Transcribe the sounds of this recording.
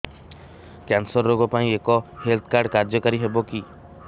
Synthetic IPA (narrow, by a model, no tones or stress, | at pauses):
kansɔɾːoɡɔpaĩekɔhelt̪ʰkaɾɖkaɾd͡ʒjɔkaɾiɦebɔki